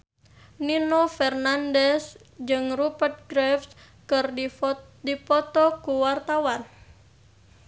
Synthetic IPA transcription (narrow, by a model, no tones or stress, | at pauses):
ninofɛrnandɛs | d͡ʒɨŋrupərt̪̚ɡɾɛfs | kɨr | dipɔt̪ɔkuwart̪awan